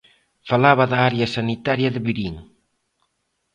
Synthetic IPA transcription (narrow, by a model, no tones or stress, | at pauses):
falaβaðaaɾjasanit̪aɾjaðeβiɾiŋ